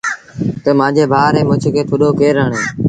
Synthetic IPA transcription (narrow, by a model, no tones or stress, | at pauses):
t̪əmãːd͡ʒeːbʱaːɾẽːmʊ̃t͡ʃʰkʰeːt̪ʰoɗoːkeːɾəːɳeː